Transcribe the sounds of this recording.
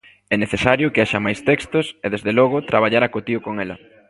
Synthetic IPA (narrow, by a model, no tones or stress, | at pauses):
ɛneθesaɾjʊkeaʃɐmajst̪ɛkst̪ʊseðezðelɔɣ̞ʊt̪ɾʔaβ̞aʎaɾakot̪iʊkoŋɛlɐ̰